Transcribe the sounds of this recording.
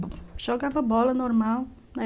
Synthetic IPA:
ʒ̥ɔɡavɐbɔlɐnoɾmaw | nɐ

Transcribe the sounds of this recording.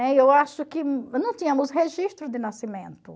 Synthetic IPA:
ɛewaʃʊkɪnɐ̃w̃t̪ĩɲɐ̃mʊzɦeʒiʃt̪ɾʊd̪ɪnasimẽnt̪ʊ

